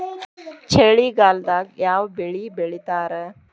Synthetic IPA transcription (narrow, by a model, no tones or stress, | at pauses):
t͡ɕʰeːɭiːɡaːld̪aɡjaːwbeɭiːbeɭit̪aːɾə